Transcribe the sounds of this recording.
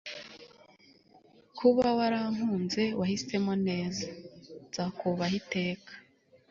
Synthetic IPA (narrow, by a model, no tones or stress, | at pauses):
kʰuβawaɾaŋ̥huːnze̞wahise̞mo̞ne̞ːzaz̥akuβahite̞ːkʰḁ